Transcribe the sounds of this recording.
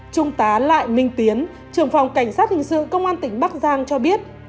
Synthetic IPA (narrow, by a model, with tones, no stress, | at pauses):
t͡ɕʊ˧ŋ͡mt̪aː˨˦la̰ː˧˨jmï˧ŋ̟t̪i˨˦ən | t͡ɕɨ˨˩əŋfa˨˩wŋ͡mka˧˩jŋ̟saː˦˥t̚hï˨˩ŋ̟sɨ̰˧˨kə˧wŋ͡mʔaː˧nt̪ï˧˩ŋ̟ɓa˦˥k̚zaː˧ŋt͡ɕɔ˧ɓi˦˥ət̚